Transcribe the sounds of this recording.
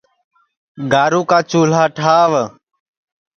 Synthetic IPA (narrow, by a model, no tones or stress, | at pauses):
ɡaːɾuːkaːt͡ʃuːl̤aːʈʰaːʋ